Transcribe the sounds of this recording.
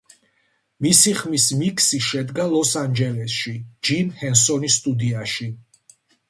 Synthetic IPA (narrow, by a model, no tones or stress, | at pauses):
misiχmismikʰsiʃɛd̪ɡalˠɔsand͡ʒɛlɛsʃid͡ʒimhɛnsɔnist̪ʼud̪iaʃi